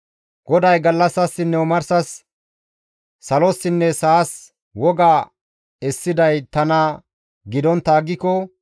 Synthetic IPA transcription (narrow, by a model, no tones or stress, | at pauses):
ɡ̥ɔd̪ɐjɡɐlːɐsːɐsːɪnːɛʊmɐɾsɐs | ɐlɔsːɪnːɛsaːs | wɔɡaː | ɛsːɪd̪ɐjt̪ɐnɐ | ɡɪd̪ɔnt̪ːaːɡːɪkɔ